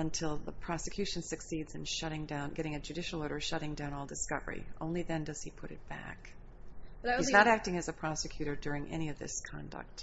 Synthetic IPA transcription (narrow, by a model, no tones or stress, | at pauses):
ɨ̃ntʰɪlˠðəpʰɹ̥ɑsɨkʰj̥ʉʃn̩sɨksidzɨ̃nʃʌɾɪ̃ŋdãʊ̃nɡɛɾɪ̃ŋɨd͡ʒʉdɪʃl̩ˠɔɾə˞ʃʌɾɪ̃ŋdãʊ̃nɔlˠdɨskʌvə̰˞ḭʔõ̰ʊ̃nliðɨ̃ndʌz̥ipʰʊɾɨ̰t̚b̥æ̰k | iznəɾæk̚tɪ̃ŋɨzɨpʰɹ̥ɑsɨkʰj̥ʉɾə˞dʊɹɪ̃ŋʔɛɾ̃iʌvðɪ̰skʰɑ̰̃ndə̰k̚t̚